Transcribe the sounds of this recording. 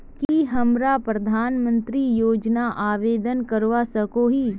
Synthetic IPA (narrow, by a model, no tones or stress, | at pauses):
kiɦɐmɾapɾɐd̪ʱaːnmə̃nt̪ɾijoːd͡ʒnaʔaːʋeːd̪ənkəɾʋasɐkoɦiː